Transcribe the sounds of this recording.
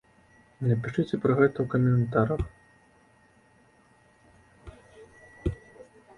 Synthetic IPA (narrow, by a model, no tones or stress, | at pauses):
nɐpʲiʂɨt͡sʲɛpɾɐɣɛt̪ɐwkɐmʲɛnt̪aɾɐx